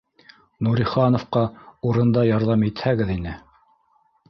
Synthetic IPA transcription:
nuɾiχɑnŏfqɑuɾɤ̆nd̪ɑjɑɾðɑmit̪hæɡɘðinɘ

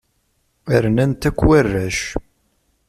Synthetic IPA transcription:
əɾnænt̪ækʷːwærːæʃ

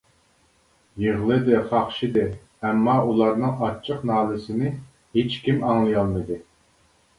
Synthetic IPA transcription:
jeʁlˠɨd̪ɨχɑχʃid̪ɨ | ɛmːɑʔulˠɑɾnɨŋɑt͡ʃʰːəqnɑːlˠɨsɪnɪ | het͡ʃkʲimɑŋlˠɨjɑlˠmɨd̪ɨ

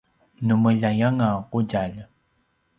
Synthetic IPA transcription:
numəʎajaŋaquɟaʎ

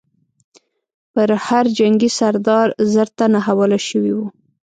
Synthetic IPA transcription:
pəɾhaɾd͡ʒaŋɡisaɾd̪ɑɾzəɾt̪anaɦawəlaʃəwiwu

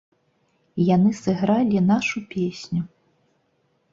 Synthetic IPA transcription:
janɨsɨɣɾalʲinaʂupʲesʲnʲu

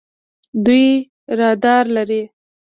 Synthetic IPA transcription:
d̪uj | ɾɑd̪ɑɾlaɾi

